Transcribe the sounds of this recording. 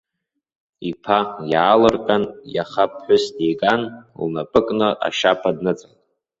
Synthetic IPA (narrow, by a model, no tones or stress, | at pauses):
ipʰajaːlɨrkʼanjaχap̚ʰħʷʊsdejɡʼanlnapʼɨkʼnɨʔa̰ʃapʰadnɨt͡sʼɨntʼ